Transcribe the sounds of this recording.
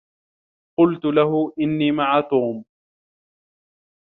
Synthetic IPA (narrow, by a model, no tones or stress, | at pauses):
qʊlt̪ʊlaɦʊʔɪnːiːmaʕaːt̪uːm